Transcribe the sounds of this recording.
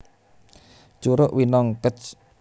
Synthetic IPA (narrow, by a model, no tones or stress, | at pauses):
t͡ʃuɾʊʔwinɔŋkət͡ʃ